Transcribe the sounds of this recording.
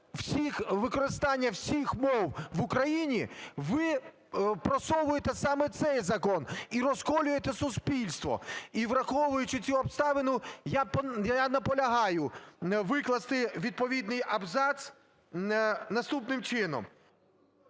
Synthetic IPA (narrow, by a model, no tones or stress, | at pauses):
w̥sʲixʋɪkɔɾɪst̪ɑnʲːɐwsʲixmɔwʋʊkɾɐjinʲiʋɪ | pɾɔsɔʋʊjet̪ɛsɑmɛt̪sɛjzɐkɔniɾɔskɔlʲʊjet̪ɛsʊspʲilʲst̪ʋɔ̰iʋrɐxɔʋʊjʊt͡ʃɪt͡sʲuɔbst̪ɑʋɪnʊjapjanɐpɔlʲɐɦɑjʊʋɪklˠɐst̪ɪʋʲid̪̚pɔʋʲid̪nɪjɐbzɑs | nɐst̪upnɪmt͡ʃɪnɔ̰m